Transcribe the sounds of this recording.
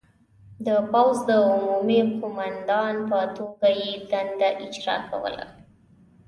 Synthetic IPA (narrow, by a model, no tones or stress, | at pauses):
d̪əpawzd̪əʊmumiqʊmand̪ɑnpət̪oɡajed̪and̪aʔɪd͡ʒɾɑ̰ka̰wə̰la̰